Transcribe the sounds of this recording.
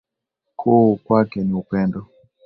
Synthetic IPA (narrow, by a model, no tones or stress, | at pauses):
kʰokwakɛniupɛndɔ